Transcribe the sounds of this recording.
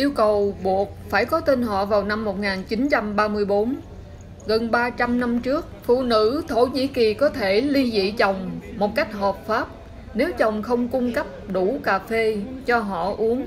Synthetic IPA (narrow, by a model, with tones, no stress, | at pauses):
ʔi˧əwkə˨˩wɓu˨˩ək̚faː˧˩jkɔ˨˦t̪e˧nɦɔ̰˧˨vaː˨˩wna˧mːo˨˩t̚ŋaː˨˩nt͡ɕi˨˦nt͡ɕa˧mɓaː˧mɨ˧əjɓo˨˦n | ɣə˨˩nɓaː˧t͡ɕa˧mna˧mt͡ɕɨ˦˥ək̚fṵ˧˨nɨ̰˧˥t̪ʰo˧˩ɲḭ˧˥ki˨˩kɔ˨˦t̪ʰe˧˩li˧zḭ˧˨t͡ɕə˨˩wŋ͡mmo˨˩t̚ka˦˥jk̟̚ɦə˨˩p̚faː˦˥p̚ | ne˨˦wt͡ɕə˨˩wŋ͡mxə˧wŋ͡mkʊ˧ŋ͡mkə˦˥p̚ɗu˧˩kaː˨˩fe˧t͡ɕɔ˧ɦɔ̰˧˨ʔu˨˦əŋ